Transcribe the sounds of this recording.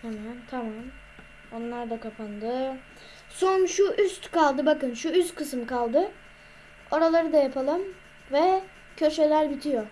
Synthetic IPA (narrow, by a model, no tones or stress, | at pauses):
hamænt̪ʰamam | o̞nlˠaɾd̪akapʰand̪ɯ | so̞nʃuʔyst̪kalˠd̪ɯbakɯnʃuyst̪kʰɯsɯmkalˠd̪ɯ | o̞ɾalˠaɾɯd̪ajapʰalˠɯm | vɛ | cʰø̞ʃe̞lʲæɾbit̪ʰijo